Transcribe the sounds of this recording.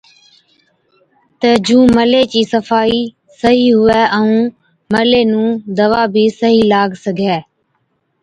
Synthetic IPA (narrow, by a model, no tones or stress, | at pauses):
t̪əːd͡ʒũːməleːt͡ʃiːsəfaːiː | səɦiːɦʊɛːʔəũː | məleːnũːd̪əʋaːbʱiːsəɦiːlaːɡʱsəɡʱɛː